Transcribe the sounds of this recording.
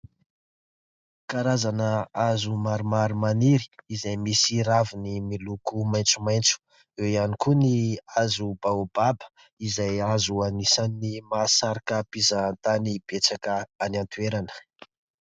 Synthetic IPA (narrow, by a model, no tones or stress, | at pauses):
kaɾazanəazumaɾumaɾumaniɾi̥izajmisiɾavinimilukumajnt͡sumajnt͡su̥ | ewianikuniazubaubabə̥ | izajazuanisannimasaɾakəpizaːnt̪anib̥et͡sakəanant̪ueɾanə̥